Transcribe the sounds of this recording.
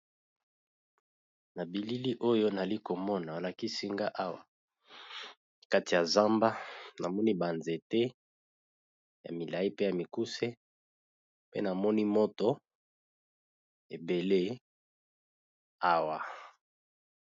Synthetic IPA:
na˨bi˨li˦li˦ʔo˦jo˦na˨li˦ko˨mɔ˦na˨a˨la˨ki˦si˦ŋɡa˦ʔa˦wa˨ | ka˦ti˨ja˨za˦mba˦na˨mɔ˦ni˦ba˨nze˨te˦ | ja̰˨mi˨la˨i˦pe˦ja˨mi˨ku˦se˦ | pḛ˦na˨mɔ˦ni˦mo˦to˦ | e˨be˨le˦ | a˦wa˨

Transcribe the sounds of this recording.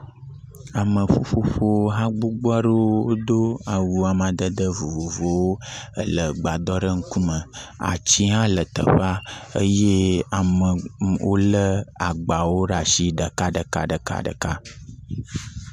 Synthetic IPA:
a˨mə̃˨fo˦ɸo˦ɸo˦wo˦ɦã˦ɡ͡bo˦ɡ͡bɔ˦ɖə˦wo˦d̪o˦a˨wu˨a˨mã˨d̪ə˦d̪ə˦vo˨vo˨vo˨wo˦ə̰˦lə˨ɡ͡ba˨d̪ɔ˦ɖə˦ŋ̩˦ku˦mə̃˨a̰˨t͡ɕi˦ɦã˦lə˨t̪ə̰˨ɸa˦ə˦je˦a˨mə˨wʔo˦lə˦a˨ɡ͡ba˨wo˦ɖa˨ʃi˦ɖə˨ka˦ɖə˨ka̰˦ɖə˨ka̰˦ɖə̰˨ka˦

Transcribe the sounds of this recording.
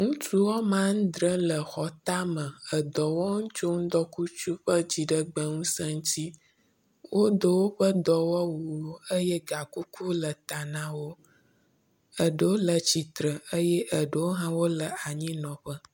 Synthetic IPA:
ŋũ˦t͡ʃu˦wɔ˦mã˦ŋ̩˦d̪ɾə˦lə˨xɔ˨t̪a˦mə˨ə˨d̪ɔ˨wɔ˦ŋũ˦t͡ʃo˦ŋ̩˦d̪ɔ˦ku˦t͡ʃu˦ɸə˦d͡ʑi˨ɖə˦ɡ͡bə˦ŋũ˦sə˦ŋ̩˦t̪i˦ | wʔo˦d̪ə˦wo˦ɸə˦d̪ɔ˨wɔ˦wu˨˦ə˦je˦ɡa˨ku˦kʰu˦lə˨t̪a˨nã˦wo˦ | ə˨ɖə˨wo˦lə˨t͡ɕi˨t̪ɾə˨ə˦jɛ˦ʔə˨ɖə˨wo˦ɦã˦wo˦lə˨a˨ɲĩ˦nɔ̃˨ɸə˦

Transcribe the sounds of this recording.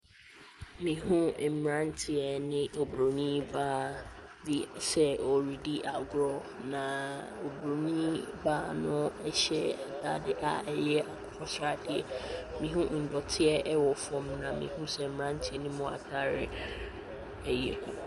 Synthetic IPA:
mĩ˨ɦũ˦˨m˨ɾã˦n˦tʰɪ˨ɛ˨nɪ̃˦o˨bɾo˨nĩ˦baː˦di˦sɛ˦ɔ˨ɾi˨di˦ʔa˨ɡɾɔ˦ | nã˨ | o˨bɾo˨nĩ˦baː˦nʊ̃˦ɛ˦ɕɛ̰˦a˨dʰaː˦dɪ˦ʔa̰˦˨ʔɛ˨jɛ˦a˨kʰɔ˦sɾa˦˨dɪ˨ɛ̰˨mĩ˨ɦũ˦n̩˨dɔ˨tʰɪ˦ɛ˦ʔɛ˦wɔ˨fɔ̃˨mnã˨mḭ̃˨hũ˦sɛ˨m̩˨mɾã˦n˦tʰɪ˦ɛ˨nɪ̃˦mʊ̃˦˨a̰˨tʰa˦ɾɪ̰˦ | ɛ˨jɛ̰˨

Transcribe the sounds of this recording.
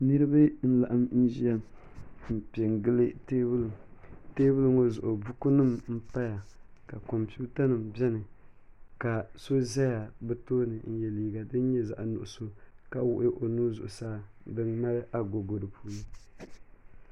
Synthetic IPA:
nɨ˦ɾɨ˦ba˦n̩˦la˨ʔa˦mn̩˦ʒi˦ja˦m̩˨pe˨ŋ˨ɡɨ˦lɨ˦teː˦bɨ˦lɨ˨teː˦bɨ˦lɨ˦ŋo˦zʊ˨ʔʊ˨bu˦ku˦nɨ˦˨mm̩˦pa˦ja˨ka˨ko˨mpi˦ta˦nɨ˨mbɛ˦nɨ˨ | ka˨so˦za˦ja˨bɨ˦toː˦nɨ˨n̩˦jɛ˨liː˨˦ɡa˨dɨ˦n˦ɲɛ˦za̰˨ʔnʊ̰˨ʔʊ˨so˦ka˦wʊ˦ʔɪ˦ʔo˨nuː˦zʊ˨ʔʊ̰˨saː˦bɨ˦ŋma˦ɾɨ˦ʔa˨ɡo˨ɡo˨dɨ˨puː˦nɨ˦

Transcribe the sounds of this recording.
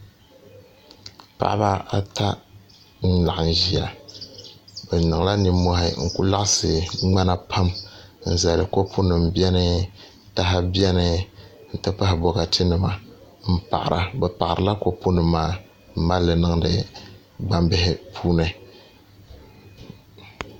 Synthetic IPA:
pa̰˨ʔa˦ba˦a˦ta˦ | n̩˦la˨ʔn̩˨ʒi˨a˨ | bɛ˨nɨ˨ŋ˨la˦ni˨˦mːɔ˦hɪ˦ŋ̩˨ku˦la˦ʔsɨ˨ŋ͡ma˦na˦pʰa˦mn̩˦˨za˨lɨ˨ko˦pʰo˦nɨ˨m˦bɛ˦nɨ˦ | ta˨ɦa˦bi˦ɛ˦nɨ˨n̩˨tɨ˦pa˦hɪ˨bɔ˦ɣa˨tʰɨ˦nɨ˨ma˨ | m̩˦pa̰˨ʔa̰˨ɾʔa˨bɛ˨pa˨ɪ˨ɾɨ˨la˦ko˦po˦nɨ˨maː˦ | m̩˦ma˦lːɨ˨nɨ˦ŋ˦dɨ˨ | ɡ͡ba˦mbɪ˦hɪ˦pʰuː˦nɨ˦

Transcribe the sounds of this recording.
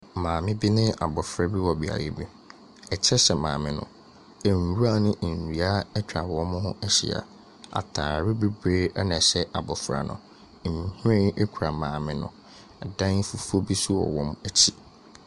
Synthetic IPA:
mãː˨mɪ̃˦bi˦nɪ̃˦a̰˨bɔ˨fɾa˦bi˦wɔ˨bi˨a̰˨je˦bi˦ | ɛ˨t͡ɕʰɛ˦sɛ˨mã̰ː˨mɪ̃˦nʊ̰̃˨ | n˨wu˦a˦˨nɪ̃˦ʔ̩˨ɾi˨a˦ɛ˦tʰᶣɾa˨wɔ˦mʊ̃˦hʊ̃˦ʔɛ˦ɕḭ˨a̰˨ | a̰˨tʰaː˨ɾɪ˦bi˦bɾeː˦a˦nã˨ɕɛ˦ʔa˨bɔ˨fɾa̰˨nʊ̰̃˨ | hẽ˦ɛ˦kʷʰu˨ɾa˨mãː˨mɪ̃˦nʊ̃˨ | ɛ˨dã˦ŋ˦fu˦fu˦o˦bi˦su˦ɔ̰˨wɔ̃˦mæ˦t͡ɕʰi˦

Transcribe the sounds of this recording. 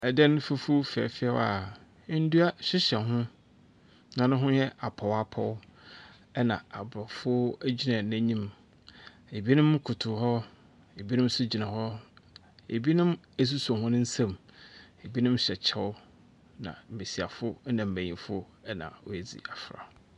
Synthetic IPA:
ɛ˨dɛ˦nʊ̃˦fu˦fu˦fɛ̰˨fɪ˦ɛ˦wa˨˦ | n̩˦dʊ˦a˦ɕɪ˦ɕɛ˨ɦʊ̃˦ | nã˨nʊ̃˦ɦʊ̃˦jɛ˦ʔa˨pʰɔ˨wa˦pʰɔ˦w | ɛ˦nã˨a˨bɾɔ˨fʊ˦æ˦d͡ʑi˦nã˨n˦æ̃˦ɲĩ˦m | e˨bi˦nʊ̃˦m˦kʰʊ˨tʰʊ˨hɔ˦ | e˨bi˦nʊ̃˦m˦sʊ˦d͡ʑi˨nã˨ɦɔ˦ | e˨bi˦nʊ̃˦m | æ˦˨s̬u˦su˨a˨ɦʊ̃˦nʊ̃˦n̩˦sã˦me˨bi˦nʊ̃˦m˦ɕɛ˨t͡ɕʰɛ˦ʊ˦ | nã̰˨m̩˨be˨si˨a̰˨fʊ˦nã˨m̩˨bæ̃˨ɲĩ˨fʊ˦ | ɛ˦nã̰˨ɔ˦æ˨d͡zḭ˨a˨fɾa̰˨˦

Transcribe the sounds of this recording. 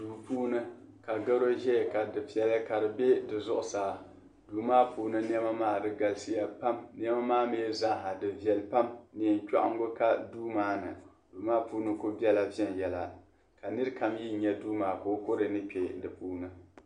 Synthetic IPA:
duː˨puː˦nɨ˦ka˨ɡa˦ɾo˦ʒɛ˦˨ka˨dɨ˨pi˨ɛ˨lɨ˦ka˨ɾɨ˨bɛ˦dɨ˨zʊ˦ʔʊ˨saː˨˦ | duː˨maː˦puː˦nɨ˦n˦ɛ˦ma˦maː˦˨dɨ˦ɡa˨lsi˦ja˦pa˦mn˦ɛ˦ma˦maː˦meː˦za˦ŋ˦ɦa˨dɨ˨vjɛ˨lpa˦mni˨n˨t͡ʃa̰˦ʔa̰˨ŋ˦ɡʊ˦ka˦duː˦maː˦nɨ̰˨ | duː˨maː˦puː˦nɨ˦kʊ˦bi˦ɛ˦la˨vi˦ɛ˦n˨jɛ˨la˨ | ka˨nɨ˦ɾɨ˦ka˦mji˦˨ɲɛ˦duː˦maː˨ko˨˦ko˦ɾɨ˨nɨ˦pʲe˨dɨ˨puː˦nɨ˦

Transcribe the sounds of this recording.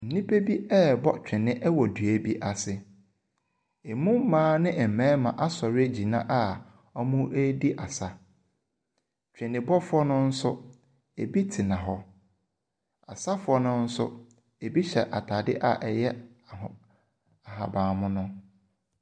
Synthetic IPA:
n̩˨nĩ˦pʰe˦bi˦ɛ˦˨bɔ˦t͡ɕᶣɪ̃˨nɪ̃˦ʔɛ˦wɔ˨dɥæ˦bi˦ʔa˨sɪ˨ | e˨mũ˦m̩˦mãː˦nɪ̃˦ʔɛ˨mɛ̃ː˦mã˨ʔa˦sɔ˨ɾɪ˦e˦d͡ʑi˨nã̰˦ʔa˦ | ɔ˦mũ˦ʔe˦di˦ʔa˨sa˨ | t͡ɕᶣɪ̃˨nɪ̃˨bɔ˦fʊ˦ɔ˦nʊ̃˦n̩˦sʊ˦ | e˨bi˦tʰɪ˨nã˨ɦɔ˦ | a̰˨sa˦fʊ˨ɔ˦nʊ̃˦n̩˦sʊ̰˦ | e˨bi˦ɕɛ̰˨ʔa˨tʰaː˨dɪ̰˦ʔa̰˦˨ʔɛ˨jɛ˦˨ | a˨ɦa̰˨bãː˨mʊ̃˦nʊ̃˦

